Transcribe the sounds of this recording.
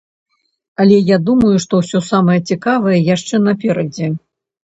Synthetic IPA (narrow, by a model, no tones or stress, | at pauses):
ɐlʲɛjad̪umɐjuʂt̪ɔwsʲɔsamɐjɐt͡sʲikavɐjɐjaʂt͡ʂɛn̪ɐpʲɛɾɐd͡zʲɛ